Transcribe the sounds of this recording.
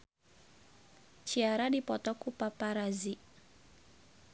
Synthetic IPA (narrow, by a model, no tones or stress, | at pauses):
t͡ʃiaɾadipɔt̪ɔkupapaɾazi